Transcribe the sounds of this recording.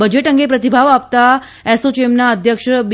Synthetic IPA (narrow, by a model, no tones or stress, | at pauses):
bəd͡ʒeʈəŋɡepɾət̪ibʱaʋap̚t̪a | esot͡ʃemnaəd̪ʱjəkʂb